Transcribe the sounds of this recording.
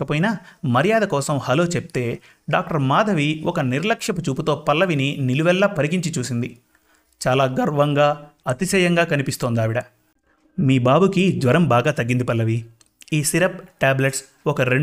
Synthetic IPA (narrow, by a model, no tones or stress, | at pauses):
kɐpoːjinɐmɐɾijaːd̪ɐkɔːsɐmhɐlo̞ːt͡ʃep̚t̪e̞ː | ɖaːk̚ʈɐɾmaːd̪ʱɐʋiɔkɐniɾlɐkʂɐput͡ʃuːput̪o̞ːpɐlːɐʋininiluʋɛlːɐpɐɾikiɲt͡ʃit͡ʃuːsind̪i | t͡ʃaːlaːɡɐɾʋɐŋɡaːɐt̪isɐjɐŋɡaːkɐnipist̪oːnd̪aːʋiɽɐ | miːbaːbukid̪ʋɐɾɐmbaːɡaːt̪ɐɡːind̪ipɐlːɐʋi | iːsiɾɐp̚ʈaːbleʈs | ɔkɐɾe